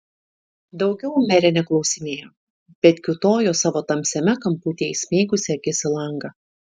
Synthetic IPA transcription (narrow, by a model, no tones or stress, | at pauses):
d̪ɒʊɡʲɛʊmʲɛɾʲɛnʲɛklˠɒʊsʲɪmʲeːjoː | b̥ʲɛt̪ʲkʲʊt̪oːjoːsɑːʋoːt̪ɐmʲsʲɛmʲɛkɐmpuːt̪ʲeːɛsʲmʲiːɡʊsʲɛɐɡʲɪsʲɪlˠɐŋɡɐ